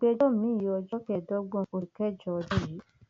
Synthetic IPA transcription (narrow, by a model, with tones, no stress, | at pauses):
k͡pe˧dɔ˦˨˦mĩ˨˦˨ɔ˧d͡ʒɔ˦kɛ˨dɔ˦ɡ͡bɔ̃˧o˨i˨kɛ˦d͡ʒɔ˧d͡ʒɔ˦˨ji˨˦